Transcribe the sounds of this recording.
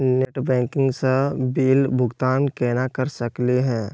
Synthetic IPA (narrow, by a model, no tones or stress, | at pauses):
neːʈbɛ̃ːŋkɪ̃ŋɡsebiːlbʱʊɡt̪aːnkeːnakəɾsəkleɦɛ̃ː